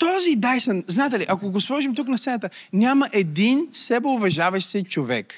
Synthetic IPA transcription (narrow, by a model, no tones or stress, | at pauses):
t̪ɔzid̪ajsənznaɛt̪ɛliʔɐkoɡoslˠɔʒimt̪uknɐst̪sɛnət̪ənʲaməʔɛd̪insɛboʊvɛʒavɐʃsɛt͡ʃovɛ̰k